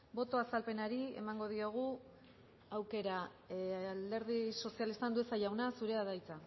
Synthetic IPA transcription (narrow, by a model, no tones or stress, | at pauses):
bo̞t̪o̞asalpe̞naɾie̞̰maŋɡo̞ð̞ioɣ̞u | awke̞ɾa | ald̪e̞ɾðiso̞sialist̪and̪ue̞sajawnasuɾe̞aðajt͡sa